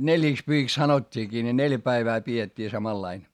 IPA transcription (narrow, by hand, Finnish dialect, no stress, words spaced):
neljiˑkspyhiks sɑnotʲːiːkiː ne neljæ pæiʋæː pietʲːiː sɑmɑlːɑin